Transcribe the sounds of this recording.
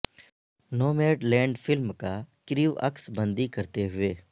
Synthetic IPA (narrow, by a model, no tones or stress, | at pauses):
noːmeːɖlɛ̃ːɳɖpʰɪlmkakɾiːʋə̰ksbə̃nd̪ikəɾt̪eɦʊeː